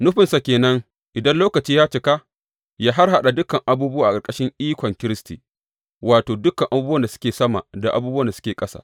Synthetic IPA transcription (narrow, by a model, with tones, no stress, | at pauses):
nʊ˦ɸɪ˨nsa˨kʲeː˨nɐ˦ŋ | ʔɪ˨dɐ˦nloː˦kɐ˨t͡ʃiː˦jaː˦t͡ʃɪ˨ka˦ | jaː˦ɦa˦rɦa˦ɗa˨dʊ˦kɐ˨ŋʔa˦buː˦bʊ˦waː˦ʔa˨kʼɐ˨kʼɐ˦ʃɪ˦ŋʔiː˦kʷɔ˨ŋkʲɪ˦ɾɪ˦stiː˨ | waː˨toː˨dʊ˦kɐ˨ŋʔa˨buː˦bɐ˦nda˨sʊ̥˦kʲeː˨sɐ˦ma̰˨da˨ʔa̰˦buː˦bwɐ˦nda˨sʊ̥˦kʲeː˨kʼɐ˦sa̰˨